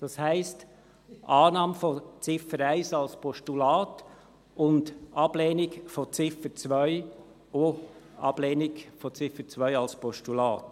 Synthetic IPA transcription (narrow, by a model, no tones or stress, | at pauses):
d̥ɑshæɪst | ʔɑːnɑːmfɔt͡sɪfəɾæɪsɑlspʰɔʃtulɑːt | ʔʊndʔɑb̥leːnɪɡfɔt͡sɪfət͡sʋœʏ | o | ɑ̰b̥leːnɪkfɔt͡sɪfət͡sʋœʏɑlspɔʃtulɑːt